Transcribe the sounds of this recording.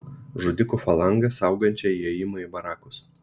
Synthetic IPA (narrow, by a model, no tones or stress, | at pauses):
ʒʊd̪ʲɪkufɐlˠɐŋɡɐsɑˑʊɡɐnʲt͡ʃʲɛɛjɪmɐibɐɾɑːkʊs